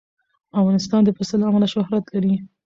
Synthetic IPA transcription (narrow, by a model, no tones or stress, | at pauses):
afɣɑnɪst̪ɑnd̪əfɪsəlamalaʃʊhɾat̪laɾi